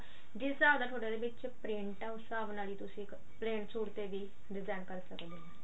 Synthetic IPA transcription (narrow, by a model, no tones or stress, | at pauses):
d͡ʒɪsaːʋd̪aːʈʰoːɽed̪eːʋɪt͡ʃ | pɾɪ̃ɳʈaʊsaːʋnaːliːt̪ʊsĩː | pleːnsuːɾt̪eːʋiː | ɖɪzaːɪnkəɾsəkd̪eɛː